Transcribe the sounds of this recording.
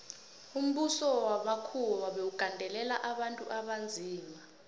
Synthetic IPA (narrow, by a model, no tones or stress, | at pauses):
um̩ɓusɔwaɓakʰulwaɓewuɡ̥ʱandʱɛlɛlaʔaɓantʼuʔaɓand͡zʱiːma